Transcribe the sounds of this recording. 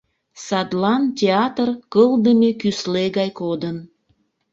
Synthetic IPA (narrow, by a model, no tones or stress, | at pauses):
sɑd̪lɑntʲeɑt̪ərkəld̪əmʲekysleɣɑjkod̪ən